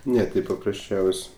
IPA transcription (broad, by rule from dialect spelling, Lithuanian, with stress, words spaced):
ˈnʲɛ ˈtʲɪ pɐprɐsʲˈt͡ʃʲɛʊsʲ